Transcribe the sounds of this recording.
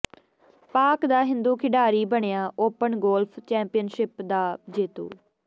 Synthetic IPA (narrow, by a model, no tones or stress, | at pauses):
paːkd̪aːɦɪ̃nd̪uːkʰɪɖaːɾiːbəɳ̃ejaːʔoːpəɳɡoːlpʰt͡ʃɛ̃ːmpɪjənʃɪpd̪aːd͡ʒeːt̪ṵː